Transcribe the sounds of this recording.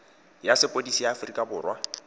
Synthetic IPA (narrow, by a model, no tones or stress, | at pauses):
jasɪpʼodisijaːfrikʼabʊːrwa